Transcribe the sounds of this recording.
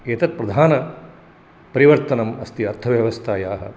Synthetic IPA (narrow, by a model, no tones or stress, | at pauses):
et̪ɐt̪̚pɾɐd̪ʱaːnɐ | pɐɾiʋɐɾt̪ɐnɐmɐst̪iɐɾt̪ʰɐʋjɐʋɐst̪ʰaːjaːɦɐ̰